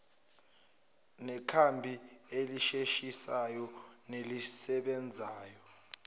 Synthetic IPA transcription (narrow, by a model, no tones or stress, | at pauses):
nɛkʰambʱi | eliʃeʃisajɔ | nelisɛɓɛnd͡zʱaːjɔ